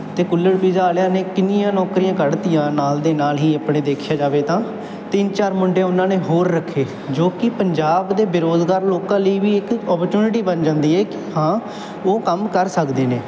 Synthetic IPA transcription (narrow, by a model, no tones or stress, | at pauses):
t̪eːkʊlːəɽpizaːljãːneːkɪnijãːnɔːkɾijãːkəɽd̪ijãːnaːld̪eːnaːlɦiːəpɽ̃ẽːd̪eːkʰjaːd͡ʒaːʋeːt̪ãː | t̪ɪnt͡ʃaːɾmʊɳɖeːʊnːãːneːɦoːɾːəkʰːeː | d͡ʒoːkɪpəɲd͡ʒaːbd̪eːbɪɾoːzɡaːɾloːkãːləiːʋiːɪkɔːpəɾt͡ʃuːnɪʈiːbənd͡ʒãːnd̪iːɦɛːkɪhãː | oːkəmkəɾsəkd̪eːneː